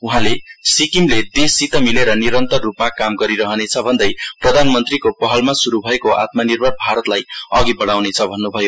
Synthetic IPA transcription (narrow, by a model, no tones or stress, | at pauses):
uɦãlesikimled̪esit̪ʌmileɾʌniɾʌnt̪ʌrːupmakamɡʌɾiɾʌɦʌnet͡sʰʌbʱʌnd̪ʌjprʌd̪ʱanmʌnt̪rikopʌɦʌlmasuɾubʱʌekoʔa̰t̪̚manirbʱʌrbʱaɾʌt̪lajʌɡibʌɽawnet͡sʰʌbʱʌnːubʱʌjo